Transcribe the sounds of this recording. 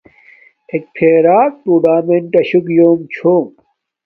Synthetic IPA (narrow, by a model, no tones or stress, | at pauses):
ek̚pʰeːɾaːk̚ʈuːɖaːmeɳʈɐɕukjoːmt͡ɕʰoːm